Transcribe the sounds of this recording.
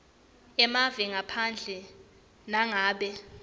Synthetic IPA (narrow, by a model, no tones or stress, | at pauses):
ɛmavɛŋapʰand͡ɮʱɛ | naŋaːɓɛ